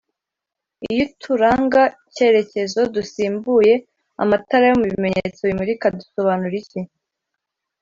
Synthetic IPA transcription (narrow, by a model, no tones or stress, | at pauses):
ḭjitʰuɾaːŋɡace̞ɾe̞ce̞zo̞dusiːmbuje̞ | a̰mataɾajomuβime̞ɲḛt͡so̞βimuɾikaduso̞βanuɾici